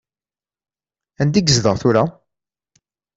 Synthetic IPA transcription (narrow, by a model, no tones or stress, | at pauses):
ænd̪iɡzðəʁθʊɾa